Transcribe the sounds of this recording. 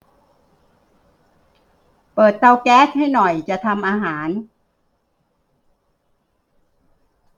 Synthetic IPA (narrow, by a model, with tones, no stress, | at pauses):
pɤː˨˩t̪̚ːa˧wkɛː˦˥s̚ha˥˩jnɔ˨˩jt͡ɕa˨˩t̪ʰa˧mʔaː˧ɦaː˩˦n